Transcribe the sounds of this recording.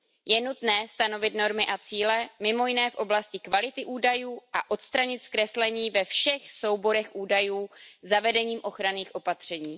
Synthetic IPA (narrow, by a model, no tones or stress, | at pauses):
jɛnut̪nɛːst̪ano̞vɪt̪no̞ɾmɪʔat͡siːlɛmɪmo̞jɪnɛːfʔo̞blascɪkvalɪt̪ɪʔuːdajuːʔaʔo̞t̪st̪ɾaɲɪt̪skɾɛslɛɲiːvɛfʃɛxso̞wbo̞ɾɛxʔuːdajuːzavɛdɛɲiːmʔo̞xɾaniːxʔo̞pat̪r̝̥ɛɲiː